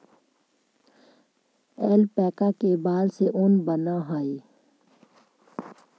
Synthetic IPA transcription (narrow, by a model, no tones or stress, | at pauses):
ɛːlpɛːkakebaːlseʔʊnbənaɦaːi